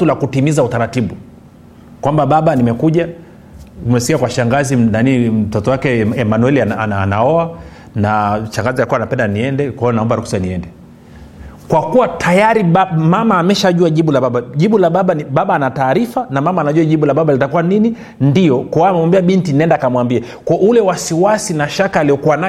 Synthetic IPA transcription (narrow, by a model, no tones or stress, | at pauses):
tulakutimizautaɾatiɓu | kwambaɓaɓanimɛkuʄa | umɛsikiakwaʃaŋɡazinanim̩tɔtɔwakɛɛmanwɛliaanːnaɔa | naʃaŋɡazialkuanapɛndaniɛndɛkwaɔnaɔmbaɾuksaniɛndɛ | kwakuwatʰajaɾiɓamamaːmɛʃaʄuaʄiɓulaɓaɓaʄiɓulaɓaɓanɓaɓaːnataːɾifanamamaːnaʄuaʄiɓulaɓaɓalitakuwanini | ndijɔkɔamɛmwambiaɓintinɛndakamwambia | kɔʔulɛwasiwasinaʃakaliɔkuwana